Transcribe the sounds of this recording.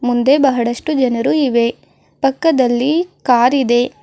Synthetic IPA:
mund̪e̞bɐɦɐɽɐʂʈud͡ʒɐnɐɾuiʋe̞ | pɐkːɐd̪ɐlːikaːɾid̪e̞

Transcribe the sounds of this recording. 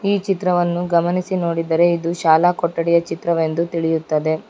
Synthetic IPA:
iːt͡ʃit̪ɾɐʋɐnːuɡɐmɐnisino̞ːɽid̪ɐɾe̞id̪uʃaːlaːkɔʈːɐɽɛjɐt͡ʃit̪ɾɐʋe̞nd̪ut̪iɭijut̪ːɐd̪e̞

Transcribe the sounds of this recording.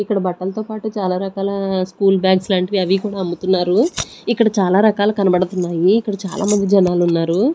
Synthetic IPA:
ikːɐɽɐbɐʈːɐlɐt̪oːpaːʈut͡ʃaːlaːɾɐkaːlɐskuːlbjaːɡslaːɳʈɐʋiɐʋikuːɽaːɐmbut̪unːaːɾuikːɐɽɐt͡ʃaːlaːɾɐkaːlɐkɐnɐbɐɽɐt̪unːaːjiːkːɐɽɐt͡ʃaːlʔa̰ːmɐnd̪id͡ʒɐnaːlunːaːɾu

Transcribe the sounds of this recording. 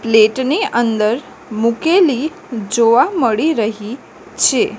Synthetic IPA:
pleʈniʔənd̪əɾ | mukeli | d͡ʒoʋaməɭiɾəɦi | t͡ʃʰe

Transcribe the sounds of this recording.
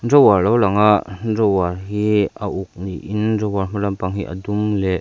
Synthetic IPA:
zɔwarlɔwlaŋaʔzɔwarɦiʔaʔuk̚nḭʔinzɔwarm̥alampaŋɦiʔa̰dumlɛʔ

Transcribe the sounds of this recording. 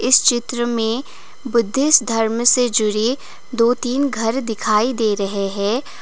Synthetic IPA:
ɪst͡ʃɪt̪ɾəmẽ | bʊd̪ʱːɪsd̪ʱɐɾmsed͡ʒʊɽi | d̪oːt̪iːnɡʱɐɾd̪ɪkʰaːid̪eːɾɐɦeɦɛ̃ː

